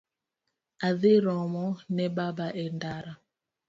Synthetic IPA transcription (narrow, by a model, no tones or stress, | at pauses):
aðiɾɔmɔnɛbabaʔɛndaɾa